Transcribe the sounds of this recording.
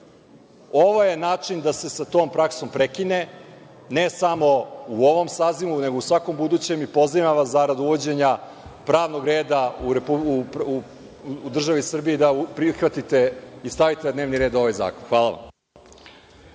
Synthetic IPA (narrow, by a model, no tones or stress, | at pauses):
oʋo̞je̞naːt͡ʂind̪ase̞sat̪o̞ːmpɾakso̞mpɾekine̞ | ne̞samo̞uo̞ʋo̞msaːzimune̞ɡousʋako̞mbud̪uːt͡ɕe̞mipo̞zimaʋaszaɾad̪uʋo̞d͡ʑe̞ɲa | pɾaːʋno̞ɡɾe̞ːd̪auɾepuup | ud̪r̩ʒaʋisr̩bijed̪aupɾixʋat̪it̪e̞ist̪aʋit̪enad̪neːʋniɾed̪o̞ʋajza̰ːkonxʋaːlˠaʋa̰m